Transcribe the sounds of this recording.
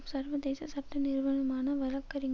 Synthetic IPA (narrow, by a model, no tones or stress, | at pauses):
sɐɾʋɐd̪eːsɐsɐp̚t̪ɐnɪɾʋɐnɐmaːnɐʋɐlɐkːɐɾɪŋ